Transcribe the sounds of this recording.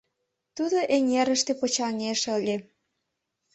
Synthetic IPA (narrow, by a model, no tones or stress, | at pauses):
t̪ud̪oʔeŋʲeɾə̆ʃt̪epot͡ɕɑnʲeʃəlʲe